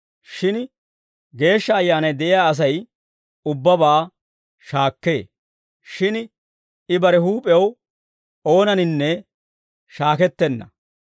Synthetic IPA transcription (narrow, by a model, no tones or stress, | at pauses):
ʃɪn | ɡe̞ːʃːɐːjːaːnɐjd̪ɛʔɪjaːɐs̬ɐj | ʊbːɐbaː | ʃaːkːḛː | ʃɪn | ɪbɐɾɛɦuːpʼɛw | o̞ːnɐnɪnːɛ | ʃaːkɛt̪ːɛnːɐ